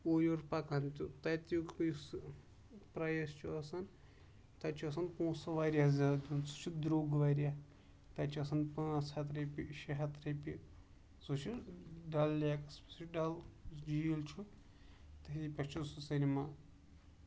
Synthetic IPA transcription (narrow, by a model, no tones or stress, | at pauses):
ojoɾpɐkɐnt̪ʲut̪ɐt̪ʲujus | pɾɐjɐst͡ʃʰuɐsɐn | t̪ɐt͡ʃʰuɐsɐnpõːsɐʋaːɾʲjazʲad̪d̪ʲunsut͡ʃʰud̪ɾoːɡʋaːɾia | t̪ɐt͡ʃʰuɐsɐnpɨsɐt̪ɾɐpʲiʃɐɦɐt̪ɾepi | sut͡ʃʰuɖɐlːakɐspʲɐ̥sɖɐld͡ʒilt͡ʃʰu | t̪ɐipʲɐst͡ʃʰususinʲima